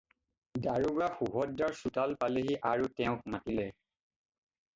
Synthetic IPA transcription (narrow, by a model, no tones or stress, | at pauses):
daɹubɹaxuɦɔdaɹsutalpaleɦiʔaɹutɛʊ̃k̚matilɛ